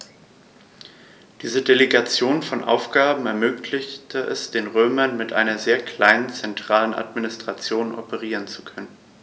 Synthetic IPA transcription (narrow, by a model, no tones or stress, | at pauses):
d̥iːzədeleɡat͡sjoːnfɔnʔa̰ʊfɡ̥aːbm̩ɛɐmøːklɪçtʰəʔɛ̰sd̥eːnʁøːmɐnmɪtʔaɪnɐzeːɐkʰl̥aɪnənt͡sɛntʁ̥aːlənʔa̰tminɪstʁ̥at͡sjoːnʔɔ̰pəʁiːʁ̞ənt͡su̥kʰœnən